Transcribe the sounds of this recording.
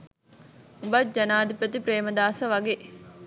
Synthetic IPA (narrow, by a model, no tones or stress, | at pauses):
ubad͡ʒɐnaːd̪ipɾət̪ipɾeːməd̪aːsəʋɐɡeː